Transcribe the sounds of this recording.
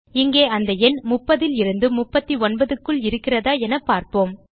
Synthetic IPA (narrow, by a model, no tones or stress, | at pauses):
ɪŋɡeːɐnd̪ɐɛnmʊpːɐðɪlɪɾɯnd̪ɯmʊpːɐt̪ːiɔnbɐðɯkːɯɭɪɾɯkːɪrɐðaːɛnɐpːaːɾpoːm